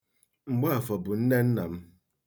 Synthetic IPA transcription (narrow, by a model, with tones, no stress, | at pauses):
ŋ͡m̩˨ɡ͡ba˦a˨fɔ˨bʊ˨n̩˦ne˦n̩˦na˨m̩˦